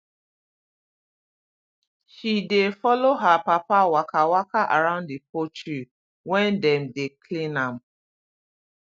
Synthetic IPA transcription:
ʃidefɔloɦapapawakʰawakaʔa̰ɾãʊ̃ndipot͡ʃu | wɛ̃ndɛmdekʰlĩnam

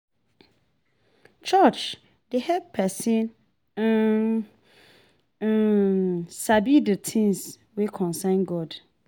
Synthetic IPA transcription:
t͡ʃʰɔt͡ʃ | dehɛpʰɛsɪ̃n | sabidətʰĩns | wekʰɔ̃nsãɪ̃nɡɔd

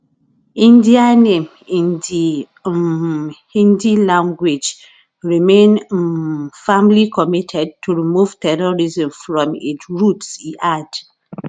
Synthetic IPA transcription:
ĩndianẽm | ĩndi | hĩndilãŋɡwid͡ʒ | ɹimẽn | fãmlikʰɔmitʰɛd̚tʰuɹimuv̥tɛɹɔɹizɔ̃mfɹɔ̃mitɹutsiʔad

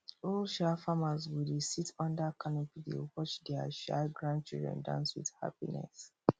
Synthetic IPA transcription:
olʃafamazwudesitʰɔ̃ndakʰanɔpilḭwɔt͡ʃdɛaʃa̰ɡɹãnd̚t͡ʃḭlˠdɹɛ̰̃ndã̰nswḭð̥ha̰pinɛ̰s

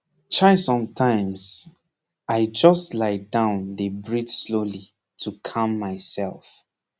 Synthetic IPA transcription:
tʰaɪsɔ̃mtʰãɪ̃mz | aɪd͡ʒʌstlaɪdãʊ̃ndəbɹid͡ʒsloli | tʰukʰãmːaɪsɛ̰lˠf

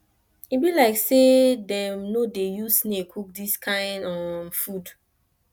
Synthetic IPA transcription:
ibilaɪksedɛ̃mnodejusnekʰuk̚diskʰãɪ̃ndɔmfud

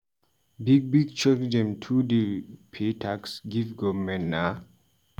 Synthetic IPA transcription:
biɡ̚biɡt͡ʃɔkd͡ʒɛ̃mtʰudipʰetʰaksɡivɡɔvmɛ̃nna

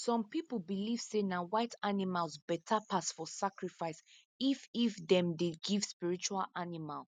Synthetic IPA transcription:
sɔ̃mpipl̩ˠbiliv̥senawaɪtʰanimalˠzbɛtʰapasfɔsakɹifaɪs | ififðɛ̃mdeɡiv̥spiɹit͡ʃualʔanimalˠ

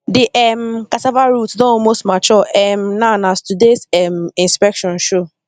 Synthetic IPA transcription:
dɪʔɛm̩katavaɾutsdɔ̃ɔmostmat͡ʃɔʔɛm̩nanastudesɛm̩ĩnspɛkʃɔ̃nʃo

